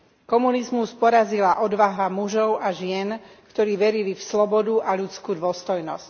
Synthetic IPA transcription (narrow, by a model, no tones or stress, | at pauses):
kɔmunizmuspɔɾazilaʔɔd̪ʋaɦamuʒɔʊʔaʒɪɛn | kt̪ɔɾiːʋɛɾilifslɔbɔd̪uʔalut͡skuːd̪ʋɔst̪ɔjnɔ̰sc